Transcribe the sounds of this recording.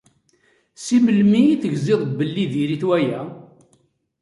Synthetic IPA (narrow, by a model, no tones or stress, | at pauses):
siməlmiiθəʝzɪðˤbəlːiðiɾiθwæjæ